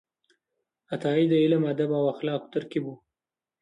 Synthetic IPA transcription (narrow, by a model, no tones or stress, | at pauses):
at̪ɑːid̪əilamad̪abawaxlɑːkt̪əɾkibu